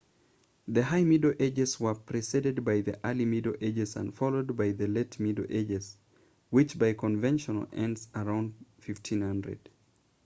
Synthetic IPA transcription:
ðɨhaɪmidoʔed͡ʒɨzwə˞pʰɹ̥isiɾɨd̚baɪðḭʔalimiɾoʔed͡ʒɨzə̰̃nfɑlˠoʊd̚baɪðɨletmidoʔed͡ʒɨz̥ | wɪt͡ʃbaɪkʰə̃ɱvɛ̃nʃən̰l̩ˠʔɛ̃ndzə˞ãʊ̃ndfɪftʰĩnhʌ̃ndɹɨ̰d̥

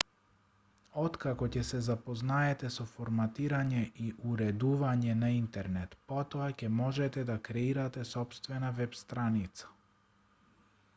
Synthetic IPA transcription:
ɔt̪kakɔcɛsɛzapɔznaɛt̪ɛsɔfɔɾmat̪iɾaɲɛʔiʔuɾɛd̪uvaɲɛnaint̪ɛɾnɛt̪pɔt̪ɔacɛmɔʒɛt̪ɛd̪akɾɛiɾat̪ɛsɔpst̪vɛnavɛpst̪ɾanit̪sḁ

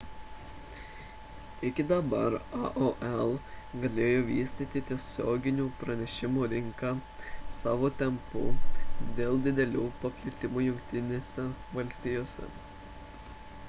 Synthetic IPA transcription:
ɪkʲɪd̪ɐbɐɾɑʔoʔɛlˠɡɐlʲeːjoːʋʲiːsʲt̪ʲiːt̪ʲɪt̪ʲiɛsʲoːɡʲɪnʲuːpɾɐnʲɛʃʲɪmuːɾʲɪŋkɑːsɑːʋoːt̪ʲɛmpṵd̪ʲeːlˠd̪ʲɪd̪ʲɛlʲuːpɐpʲlʲɪt̪ʲɪmuːjʊŋʲkt̪ʲɪnʲeːsʲɛʋɐlʲsʲt̪ʲɪjoːsʲɛ̰

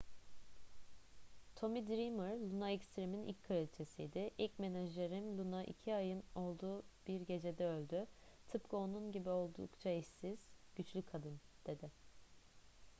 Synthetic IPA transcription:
t̪ʰo̞mid̪ɾimɯɾlʲˠunaɛcst̪ɾiminḭlʲcʲkʰɯɾelʲt͡ʃʰe̞sijd̪ɪʔilʲcmenaʒlʲeɾinlʲˠunaʔḭcʰiajɯno̞lˠd̪uːb̥iɾɟe̞d͡ʒe̞d̪ɛø̞lʲd̪yt̪ʰɯpkɯo̞nunɟibio̞lˠd̪ṵkt͡ʃʰaiʃsiz̥ɟ̥yt͡ʃlʲykʰad̪ɯnd̪̥e̞d̪ɪ

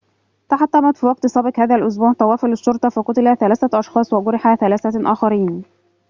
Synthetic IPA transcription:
t̪ɑħɑt̪ːɑmɑt̪fiːwɑɡ̚t̪sˤɑbɪkhæːðælʔʊs̬buːʕt̪ˤɑwɑːfɪlɪʃːoɾˤt̪ˤɑfɑqʊt̪ɪlæθælæːθæʔɑʃxɑːsˤwɑɡʊɾɪħaθælæːθæʔæːxɑɾiːn

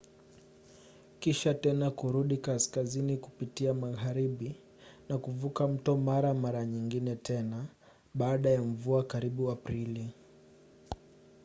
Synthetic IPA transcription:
kiʃatɛnakuɾuɗikaskaziniku̥pitiamaɣaɾiɓi | nakuvukam̩tɔmaɾamaɾaɲiŋɡinɛtʰɛna | ɓaːɗajam̩vuakaɾiɓuapɾili

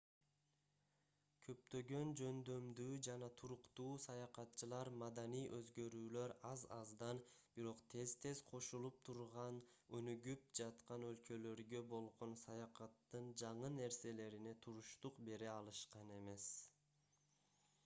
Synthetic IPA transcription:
kʰø̞p̚t̪ø̞ɡø̞nd͡ʒø̞nd̪ø̞md̪yːd͡ʒɑnɑt̪ʰuɾuqt̪uːsɑjɑqɑt̪t͡ʃːɯlˠɑɾmɑd̪ɑnijʔø̞zɡø̞ɾyːlø̞ɾɑzɑzd̪ɑnb̥iɾo̞qt̪ʰe̞zt̪ʰe̞zqʰo̞ʃulˠup̚t̪ʰuɾʁɑn | ønyɡyp̚d͡ʒɑt̪qɑnø̞lkø̞lø̞ɾɡø̞bo̞lˠʁo̞nsɑjɑqɑt̪ːɯnd͡ʒɑɴɯne̞ɾse̞le̞ɾine̞t̪ʰuɾuʃt̪uqbe̞ɾeɑlˠɯʃqɑne̞me̞s

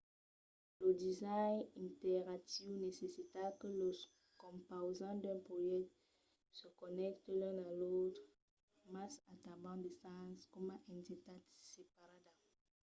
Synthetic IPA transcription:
lədizajnĩnteʁatiwnesesit̪akələ | kɔ̃mpozɑ̃d̪ɛ̃pʁojɛkt̪ | səkɔnɛkt̪lɛ̃nalot̪ʁ | masat̪abɑ̃d̪esãskɔmãʔɛ̃ndetatsepaʁada

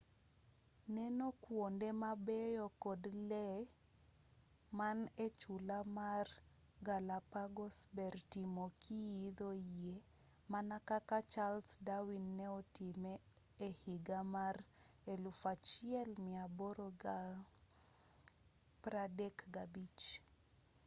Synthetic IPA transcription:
nɛnɔkwondɛmabɛjɔkɔdlɛ | manet͡ʃulamar | ɡalapaɡɔsbɛrtimokʰijid̪oe | manakakat͡ʃalsdawinːɛɔtimɛː | hiɡamarelufat͡ʃiɛlmɪabɔɾɔɡa | pɾadɛkɡabit͡ʃ

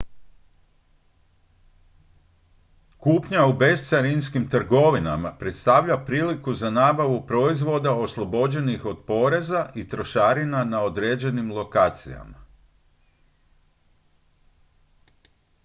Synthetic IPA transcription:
kuːpɲaube̞st̪saɾinskimt̪r̩ɡo̞ʋina̰mapɾe̞t̪st̪aʋʎapɾiːlikuzanaːbaʋupɾo̞izʋo̞d̪ao̞slˠo̞bo̞d͡ʑe̞nixo̞d̪̥po̞ːɾe̞zaʔit̪ɾo̞ʃaːɾinanaod̪ɾeːd͡ʑe̞nimlˠo̞kaːt̪sḭja̰ma̰

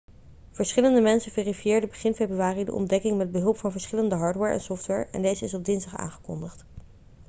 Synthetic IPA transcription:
v̥əɹsχɪləndəmɛnsəveːrifijɪːɹdəbəχɪnfejbryaːridə̰ʔɔ̰mdɛkɪŋmɛd̚bəɦɵlˠpfɑnvəɹsχɪləndəɦɑːɹtwɛɹɛ̰nsɔftʋɛɹɛ̰ndejzəɪsɔb̚dɪnzdɑχa̰ːŋχə̥kɔ̰ndəχt

